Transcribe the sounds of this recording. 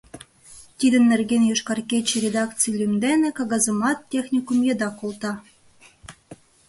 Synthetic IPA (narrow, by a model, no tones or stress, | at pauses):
t̪ʲid̪ə̆nːerɡenjoʃkɑrkʲet͡ɕːĕɾʲed̪ɑkt͡sɨjlʲymd̪enĕkɑɣɑzɤ̆mɑt̪ːʲexnʲikumjed̪ɑkolˠt̪ɑ